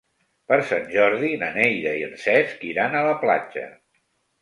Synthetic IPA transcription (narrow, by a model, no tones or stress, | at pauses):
pəɾsanʲʒɔɾðinənejɾəiənsɛskiɾanələpla̰d͡ʒə̰